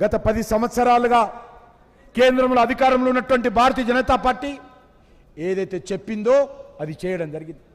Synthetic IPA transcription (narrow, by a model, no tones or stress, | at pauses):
ɡɐt̪ɐpɐd̪isɐmɐt̪sɐɾaːluɡaː | keːnd̪ɾɐmloɐd̪ʱikaːɾɐmlounːɐʈuʋɐɳʈibʱaːɾɐt̪iːɐd͡ʒɐnɐt̪aːpaːɾʈːiː | eːd̪ɐjt̪e̞ːt͡ʃepːind̪o̞ːɐd̪it͡ʃɛːjɐɽɐmd͡ʒɐɾiɡind̪i